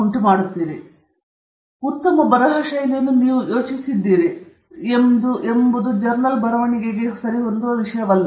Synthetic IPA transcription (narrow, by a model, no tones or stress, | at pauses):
uɳʈumaːɽut̪ːiːɾi | ut̪ːɐmɐbɐɾɐɦɐʂɐjɐnjɐnːuniːʋujo̞ːt͡ʃisid̪ːiːɾi | emd̪uʔembud̪ud͡ʒɐɾnɐlbɐɾɐʋɐɳiɡeɡesɐɾiond̪oʋiʂɐjɐʋɐlːɐ